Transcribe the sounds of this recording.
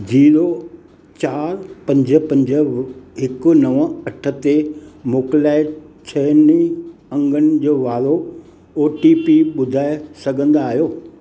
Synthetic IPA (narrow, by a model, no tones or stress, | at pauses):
d͡ʑiːɾo | t͡ɕaːɾpɐ̃ɲd͡ʑə̆pɐ̃ɲd͡ʑə̆ɦɪkʊ̆nɐʋəɐʈʰə̆t̪emoːklaːɪt͡ɕʰɐniɐ̃ŋɡʱənɪ̆d͡ʑoːʋaːɾo | oːʈipiɓʊd̪ʱaːesɐɡʱə̃nd̪aːɦijoː